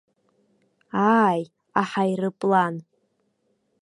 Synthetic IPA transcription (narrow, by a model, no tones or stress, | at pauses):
aːj | aħajrɨpʼlan